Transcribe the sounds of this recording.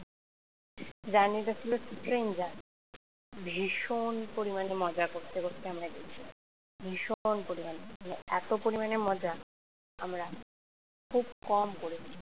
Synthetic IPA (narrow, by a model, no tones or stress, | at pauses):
d͡ʑanit̪at͡ɕʰilosʈɾend͡ʑa | bʱiʃonpoɾimanemɔd͡ʑakoɾt̪ʰekoɾt̪ʰeamɾad̪ekt͡ɕʰila̰ | bʱiʃonpoɾimaneaneɛ̰t̪opoɾimanemɔd͡ʑa | amɾa | kʰubkɔmkoɾet͡ɕʰi